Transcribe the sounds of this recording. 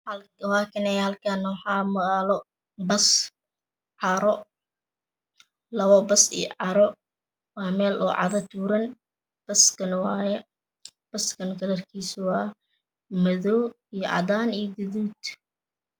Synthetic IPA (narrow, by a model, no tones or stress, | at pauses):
hɐlwɑːkʰɐnɛjhɐlkʰɐnːɔħɑːmɐɣaːlɔ | bɐs | ʕɑɾɔ | lɐβɔbɐsḭjʕɑɾɔ | wɑːmɛːlʔɔ̰ːʕɑ̰ðɐt̪ʰuːɾɐn | b̥ɐskʰɐnwɑːjɛ | b̥ɐskʰɐnɡɐlɐrkʰiːswɑː | mɐðɔː | ijɔʕɑ̰daːnijɔɡʊðuːd̪